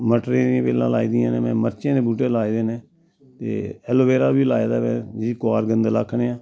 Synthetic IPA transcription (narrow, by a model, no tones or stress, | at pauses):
məʈɾẽːɾjãːpeːlãːlaːiːd̪ɪjãːneːmɛ̃ːməɾt͡ʃẽːd̪eːbuːʈeːlaːid̪eːneː | t̪ḛːɛːloːbeːɾaːbiːlaːeːd̪aːmɛ̃ːd͡ʒikoaːɾɡənd̪la̰ːkʰːɳeːãː